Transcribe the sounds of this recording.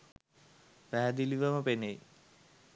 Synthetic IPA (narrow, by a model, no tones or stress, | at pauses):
pæɦæd̪iliʋaməpenej